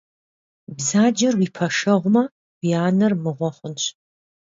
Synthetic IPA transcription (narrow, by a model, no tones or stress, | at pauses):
bzaːd͡ʒɐrwipʰɐʂɐʁʷʊmɐ | wijaːnɐrmɨʁʷɔχʷʊnɕ